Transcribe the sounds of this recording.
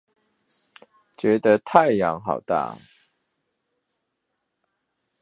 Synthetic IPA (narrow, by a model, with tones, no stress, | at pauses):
t͡ʃɥɛ˨˧˥d̪ə˧˦t̪ʰa˥˨ɪjɑ˨˧˥ŋɦɑ̰˨˩ʊt̪a̰˥˩